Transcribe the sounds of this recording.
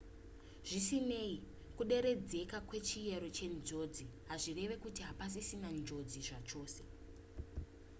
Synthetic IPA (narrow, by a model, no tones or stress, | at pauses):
ʐ̥isine̞i | kuɗe̞ɾe̞d͡ze̞kakwe̞t͡ʃije̞ɾo̞t͡ʃe̞nd͡ʒo̞d͡ziɦaʐire̞ʋe̞kutiɦapas̬isinand͡ʒo̞d͡ziʐat͡ʃo̞ːse̞